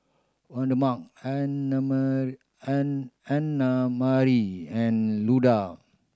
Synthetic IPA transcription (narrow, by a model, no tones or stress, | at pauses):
wãndəmak̚anam | ãnːamaɾiɛ̃nluda